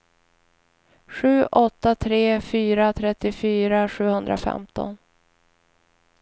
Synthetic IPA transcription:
ɧʉ̟ːʔɔt̪ːat̪ʰɾeːfyːɾat̪ʰɾɛt̪ːɪfyːɾaɧʉ̟ːhɵnd̪ɾa̰fɛ̰mt̪ɔ̰n

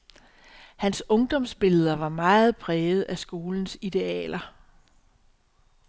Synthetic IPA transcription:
hænsɔ̽ŋd̥ɒ̽msb̥e̝lðˠɐʋɑ̈mɑ̈ːð̩ˠb̥ʰʁɛːð̩ˠæsɡ̥o̝ːln̩sid̥e̝ɛ̰ːlɐ

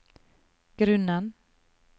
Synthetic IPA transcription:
ɡ̥ɾɵnːan

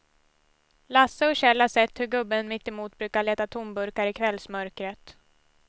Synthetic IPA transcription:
lasːəɔɕɛlːasɛt̪ːhɵɾɡɵbːənmɪt̪ːɪmuːt̪̚bɾʉ̟ːkaɭeːt̪at̪ʰʊmbɵɾkaɾɪkʰvɛlːsmœɾkɾət̪

